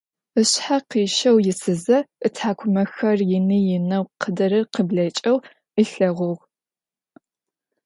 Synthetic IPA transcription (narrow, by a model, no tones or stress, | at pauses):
ɨɕħaqiːʃɐwjɪsɨzɐɨtʰħaːkʷʰʊmɐxɐrjɪnijɪnɐwqʰədɐɾɨrqəbɮɐt͡ʃʼɐw | əɬɐʁʷʊʁ